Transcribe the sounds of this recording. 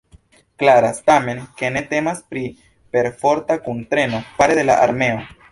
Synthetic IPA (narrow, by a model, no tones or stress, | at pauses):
klaɾastame̞nke̞ne̞te̞maspɾi | pe̞ɾfo̞ɾtakuntɾe̞no̞paɾede̞la̰ʔa̰ɾme̞o̞